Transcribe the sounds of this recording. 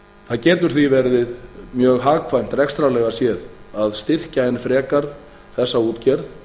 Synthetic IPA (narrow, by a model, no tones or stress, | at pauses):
θaðcɛːt̪ʏɾ̥θvivɛɾðɪðmjœːɣɦaːkʰvajm̥t̪rɛkst̪ɾalɛːɣasjɛːðaðst̪ɪr̥caɛnfɾɛːkaɾ | θɛsːauːt̪cɛɾð